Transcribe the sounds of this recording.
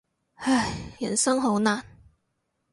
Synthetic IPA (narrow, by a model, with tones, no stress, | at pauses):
a˥˩jjɐ̰˨˩nsɐ˥ŋɦo˨˥wnaː˨˩n